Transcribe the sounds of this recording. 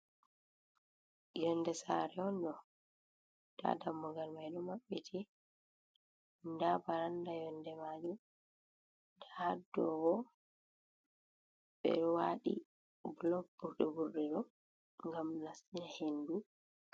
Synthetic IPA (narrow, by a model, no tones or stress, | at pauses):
jɔndɛsaɾɛɔnɗɔ | d̥a̰damːɔɡalmajɗɔmaɓːɛtʰɛ | ndabaɾandajɔndɛmad͡ʒɔ | daadːɔwɔ | ɓɛ̰ɗɔwaɗḭ | blɔk̚b̥uɾɗɛbuɾɗɛɗɔ | ŋɡamnasinahendu